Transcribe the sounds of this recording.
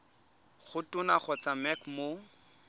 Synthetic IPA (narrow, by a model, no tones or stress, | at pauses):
χʊtʊnaχɔt͡samɛkmo